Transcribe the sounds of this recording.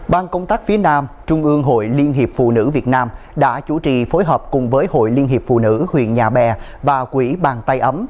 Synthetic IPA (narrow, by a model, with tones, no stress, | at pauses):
ɓaː˧nkə˧wŋ͡mt̪aː˦˥k̚fi˨˦ənaː˧mt͡ɕʊ˧ŋ͡mʔɨ˧əŋɦo̰˧˨jli˧ənɦi˨˩əp̚fṵ˧˨nɨ̰˧˥vi˨˩ət̚naː˧m | ɗa̰ː˧˥t͡ɕu˧˩t͡ɕḭ˧˨fo˨˦jɦəː˨˩p̚kʊ˨˩ŋ͡mvəː˨˦jho̰˧˨jli˧ənɦi˨˩p̚fṵ˧˨nɨ̰˧˥hwḭ˧˨ənɲaː˨˩ɓɛ˨˩ | vaː˨˩kwi˧˩ɓaː˨˩ŋt̪a˧jʔə˨˦m